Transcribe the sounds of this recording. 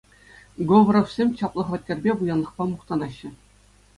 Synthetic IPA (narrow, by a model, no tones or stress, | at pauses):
ɡoʋ̆rŏfsʲemʲɕɑplˠɤ̆χʋɑt̪̚ʲːĕrʲbʲeʋujɑnlˠɤ̆χpɑmuχt̪ɑnɑɕːɘ̆